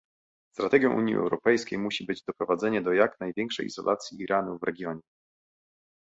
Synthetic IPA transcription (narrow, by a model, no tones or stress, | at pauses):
st̪ɾat̪ɛɡʲjɔ̃ʔuɲjiʔɛ̰wɾɔpɛjskʲejmuɕibɘd͡ʑd̪ɔpɾɔvad̪zɛɲɛd̪ɔjaknajvʲjɛŋkʂɛ̰jḭz̥ɔ̰lʔat̪sʲjiʔiɾʔanuvɾɛɡʲjɔɲɛ